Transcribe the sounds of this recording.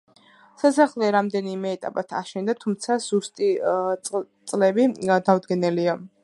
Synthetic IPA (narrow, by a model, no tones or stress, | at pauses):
sasaχlɛɾamd̪ɛnimɛːt̪ʼa̰pʼat̪ʰa̰ʃɛnd̪at̪ʰumt̪sʰaz̥ust̪ʼi | t̪sʼlɛbid̪avd̪ɡɛnɛlia